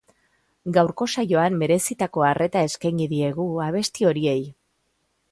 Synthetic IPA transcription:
ɡawɾko̞saʝo̞ambe̞ɾe̞sit̪ako̞arʔe̞t̪ae̞skajŋɡiðie̞ɣ̞uaβ̞e̞st̪io̞ɾie̞j

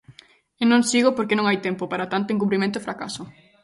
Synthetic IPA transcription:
enõŋsiɣopoɾkenõŋajt̪empopaɾat̪ant̪oeŋk̬uβɾimẽnt̪̬oefɾaka̰so

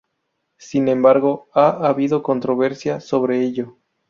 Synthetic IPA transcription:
sinẽ̞mbaɾɣo̞aaβiðo̞ko̞nt̪ɾo̞βe̞ɾsjaso̞βɾe̞eʎo̞

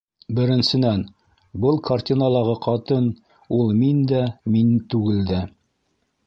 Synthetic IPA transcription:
bɘ̆ɾɘ̆nsɘ̆næn | bɤlˠkʰartʲinalˠɑʁɤqʰɑt̪ɤn | ulˠmind̪æmint̪ʉɡɘ̆ld̪ɘ

